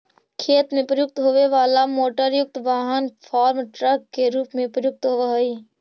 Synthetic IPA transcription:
kʰeːt̪mẽpɾəjʊk̚t̪ɦoʋeʋaːlamoːʈəɾjʊk̚t̪ʋaːɦənpʰaːɾmʈɾəkkeɾuːpmẽpɾəjʊk̚t̪ɦoʋaɦiː

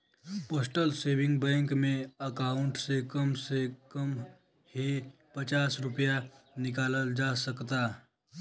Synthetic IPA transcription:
poːsʈəlseːbɪ̃ŋɡbɛ̃ːŋkmẽəkaːʊɳʈsekəmsekəm | he | pət͡ʃaːsɾʊpjanɪkaːləld͡ʒasəkt̪aː

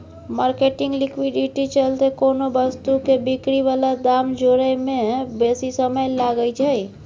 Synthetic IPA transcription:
maːɾkeʈiŋɡlikwiɖiʈit͡ʃəlt̪ekonobəst̪ukebikɾiʋalad̪amd͡ʒoɾəjmẽbesisəməjlaɡəjt͡ʃʰəj

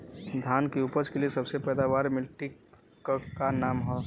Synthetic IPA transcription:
d̪ʱaːnkeupət͡ʃkeliesɐbsepɛːd̪aʋaːɾmɪlʈi | əkːanaːmɦɔ

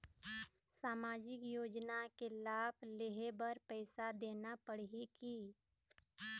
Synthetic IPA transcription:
saːmaːd͡ʒɪkjoːd͡ʒnakelaːbleɦebɐɾpɛːsad̪eːnapəɽ̤ɦikiː

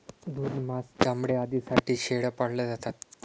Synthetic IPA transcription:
d̪uːd̪masɡamɽead̪iːsaʈiːɕeɽəpaɽ̤ləd͡zat̪at̪

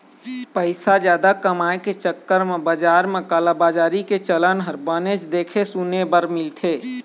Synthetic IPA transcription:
pəɪsad͡ʒjaːd̪akəmaːeket͡ʃəkːəɾmebəd͡ʒaːɾmẽkəlabaːd͡ʒaːɾiket͡ʃələnɦəɾbənet͡ʃd̪eːkʰesunebəɾmɪlt̪ʰeː

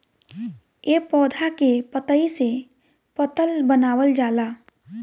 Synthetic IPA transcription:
jeːpɔːd̪ʱakepət̪əise | pət̪əlbənaːwəld͡ʒaːlaː

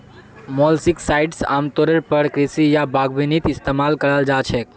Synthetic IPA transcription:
mɔlsiksaiʈsa̰mt̪oɾəɾpəɾkɾɪsijabʱaɡʋinit̪ɪst̪emalkəɽald͡ʒat͡ʃʰe

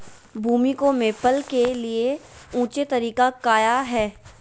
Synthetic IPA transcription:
bʱuːmikomeːpəlkelieũːt͡ʃet̪ɐɾiːkakaːjaɦɛː

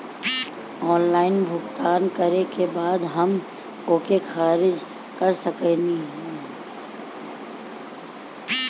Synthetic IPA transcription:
ɔːnlaːɪnbʱʊɡt̪aːnkəɾekebaːd̪ɦɐm | oːkexaːɾɪd͡ʒ | kəɾsəkeniɦɛ̃ː

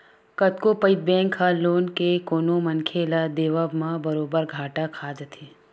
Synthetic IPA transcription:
kɐt̪kopəɪt̪̚bɛ̃ːŋkʰːaloːnkekoːnomɐnkʰelad̪eːʋabmãbɐɾoːbəɾɡʱaːʈakʰaːd͡ʒət̪ʰeː

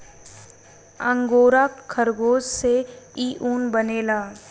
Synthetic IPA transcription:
ə̃ŋɡoːɾaːkkʰːəɾɡoːsseiːʔuːnbəneːlaː

